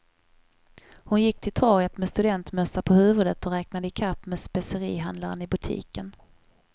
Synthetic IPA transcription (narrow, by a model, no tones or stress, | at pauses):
hʊnjɪkːt̪ʰɪlt̪ʰɔɾjət̪meɛst̪ɵd̪ɛnt̪mœsːapʰɔhʉ̟ːvɵd̪ət̪ɔɾɛːknad̪əɪkʰapːmeːspɛsəɾiːɦand̪laɾə̰nɪbɵt̪ʰḭːkən